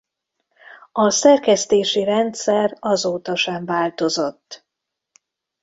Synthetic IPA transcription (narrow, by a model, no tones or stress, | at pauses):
ɒsɛrkɛst̪eːʃiɾɛnt̪sɛrɒzoːt̪ɒʃɛɱvaːlt̪o̞zo̞t̪ː